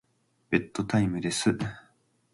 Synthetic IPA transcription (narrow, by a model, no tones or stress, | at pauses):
b̥e̞t̪ːo̞t̪aimɯ̟d̪e̞sɨ